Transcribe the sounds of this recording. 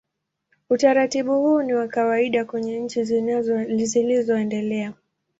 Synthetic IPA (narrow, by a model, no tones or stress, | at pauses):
utaɾatiɓuhuːniwakawaiɗakwɛɲɛɲ̩t͡ʃi | zilizɔɛndɛlɛa